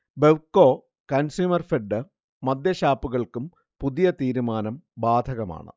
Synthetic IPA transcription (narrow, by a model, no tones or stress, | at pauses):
beʋkːo̞ː | kɐnsjuːmɐrfeɖːɨ | mɐd̪jɐɕaːpːuɣɐɭkum | puðijɐt̪iːɾumaːnɐmbaːd̪ʱɐɣɐma̰ːɳɨ̰